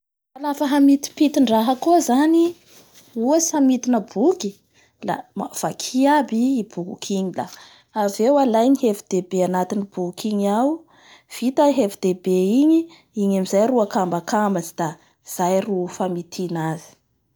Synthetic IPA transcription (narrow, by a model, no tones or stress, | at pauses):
alafəɦamit̪i̥pit̪iɳɖ͡ʐaɦəkozani | uasamit̪inəbuki | la̰av̥akʰiabiːb̥uɦṵkʰiɲila̰ | avewalajniɦefid̪̥ebeanat̪inib̥uukʰiɲaw | v̥it̪aɦefd̪̥ebeiɲi | iɲamizajruakambakamazid̪̥a | z̥ajrufamit̪ʰinazi̥